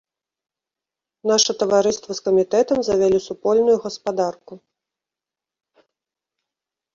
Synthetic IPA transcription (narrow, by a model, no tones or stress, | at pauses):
naʂɐt̪ɐvaɾɨst̪vɐskɐmʲit̪ɛt̪ɐmzɐvʲalʲisupɔlʲnujuɣɐspad̪arku